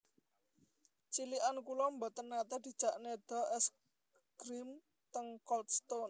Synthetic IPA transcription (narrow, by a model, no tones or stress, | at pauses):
t͡ʃiliʔankulɔmbɔ̤t̪ənːat̪ɛd̪̥i̤̥d͡ʒ̥a̤ʔned̪̥ɔ̤ʔɛs | ɡ̥ɾim | t̪əŋkɔlt̪st̪on